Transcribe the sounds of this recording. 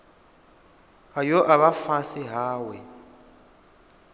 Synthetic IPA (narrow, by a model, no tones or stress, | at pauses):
ɣajɔʔaβafasiɦaːwɛ